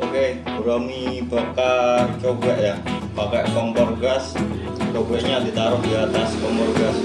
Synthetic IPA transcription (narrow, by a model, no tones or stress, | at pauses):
ʔoke | uɾaŋibakart͡ʃobɾaʔjapakɛʔkɔŋbɔrɡas | t͡ʃobɾaʔɲad̪it̪aɾʊhdiat̪askɔmbɔrɡas